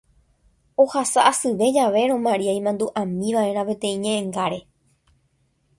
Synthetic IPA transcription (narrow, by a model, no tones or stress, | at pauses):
o̞hasaʔasɨʋe̞d͡ʒaʋe̞ɾõ̞mãɾiaj̃mãnd̪uʔãmĩʋaʔe̞ɾ̃ãpet̪ẽ̞ĩɲẽ̞ʔẽŋɡaɾe̞